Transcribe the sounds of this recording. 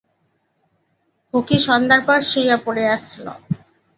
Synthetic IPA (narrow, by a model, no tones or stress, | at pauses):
hokiʃɔnd̪aɾpɔɾʃiijapoɽeaʃt͡ɕʰilo̰